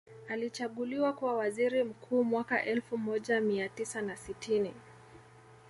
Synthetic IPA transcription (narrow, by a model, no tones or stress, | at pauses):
alit͡ʃaɠuliwakuwawaziɾim̩kʰuːmwaka̰ʔɛlfumɔʄamiatisanasitʰini